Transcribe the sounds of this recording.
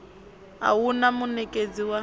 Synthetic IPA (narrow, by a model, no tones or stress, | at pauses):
a̰wunamʊnɛkʼed͡ziwa